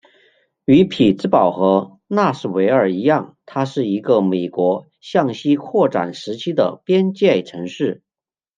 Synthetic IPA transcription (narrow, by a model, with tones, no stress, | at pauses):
y˧˥pʰi˨˩t͡sɹ̩˥pɑ˨˩ʊxɤ˧˥ | na˥˧ʂɻ̩˥˩we˧˥ɪə˞˨˩i˧˥jɑ˥˩ŋt̪ʰa˥ʂɻ̩˥˩i˧˥ɡə˧me˨˩ɪkwɔ˧˥ | ɕjɑ˥˩ŋɕi˥kʰwɔ˥˩ʈ͡ʂa̰˨˩nʂɻ̩˧˥t͡ɕʰi˥d̪ə̰˨pjɛ˥nt͡ɕjɛ˥˩ɪʈ͡ʂʰɤ˧˥ŋʂɻ̩˥˩